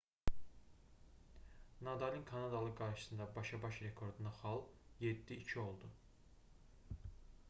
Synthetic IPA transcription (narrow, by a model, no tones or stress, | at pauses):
nɑd̪ɑlʲinkʰɑnɑd̪ɑlˠɯɡɑɾʃɯ̥sɯnd̪ɑbɑʃɑbɑʃɾe̞kʰo̞ɾd̪unɑxɑlˠje̞d̪ːiːcʰio̞lˠd̪u